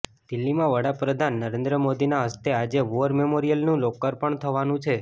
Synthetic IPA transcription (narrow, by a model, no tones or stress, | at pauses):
d̪̥ɪlːimãʋəɽapɾəd̪ʱanːəɾẽnd̪ɾəmod̪inaɦəst̪ead͡ʒeʋoəɾmemoɾijəlnũlokːəɾpəɳt̪ʰəʋanũt͡ʃʰe